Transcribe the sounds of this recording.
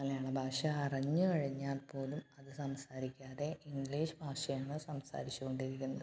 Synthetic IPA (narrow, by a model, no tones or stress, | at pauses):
nɐlejaːɳɨbʱaːʂɐɐrɐɲːɨkɐɻiɲːaːlpo̞ːlumɐðɨsɐmsaːɾikʲːaːðe̞ʔiŋɡliːʂɨbʱaːʂɐjaːɳɨsɐmsa̰ːɾit͡ɕːuko̞ɳɖiɾikʲːunːɐð